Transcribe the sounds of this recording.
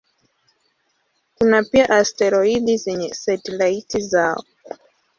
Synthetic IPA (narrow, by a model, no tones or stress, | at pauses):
kunapiaʔastɛɾɔiɗizɛɲɛsɛtɛlaitizaɔ̰